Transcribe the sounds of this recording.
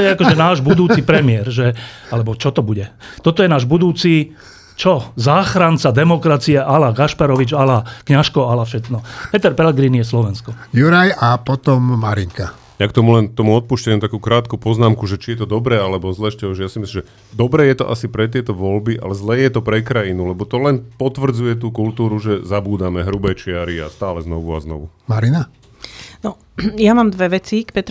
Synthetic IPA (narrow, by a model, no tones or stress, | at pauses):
jɛakɔʒʒɛnaːʒbud̪uːt͡sipɾɛmɪɛɾʒɛalɛbɔt͡ʃɔt̪ɔbuɟɛt̪ɔt̪ɔjɛnaːʒbud̪uːt͡si | t͡ʃɔzaːxɾant͡sad̪ɛmɔkɾat͡siɛʔalaɡaʃpaɾɔʋid͡ʒalakɲaʃkɔalafʃɛt̪nɔpɛt̪ɛɾpɛlɛɡɾinijɛslɔʋɛnskɔjuɾajapɔt̪ɔmːaɾiŋka | jakt̪ɔmulɛnt̪ɔmuɔt̪̚puːʃcaɲumt̪akuːkɾaːt̪kuːpɔznaːmkuʒɛt͡ʃijɛt̪ɔd̪ɔbɾɛːalɛbɔzlɛːʃcɛɔʒɛjasimislimʒɛ | d̪ɔbɾɛːjɛt̪ɔʔasipɾɛt̪ɪɛt̪ɔʋɔlbiʔa̰lɛzlɛːjɛt̪ɔpɾɛkɾajinulɛbɔt̪ɔlɛnpɔt̪ʋr̩d͡zujɛt̪uːkult̪uːɾuʒɛzabuːd̪amɛɦɾubɛːt͡ʃɪaɾia̰st̪aːlɛznɔʋua̰znɔ̰ʋṵmaɾina | nɔ | jamaːmd̪ʋɛʋɛt͡sikpɛt̪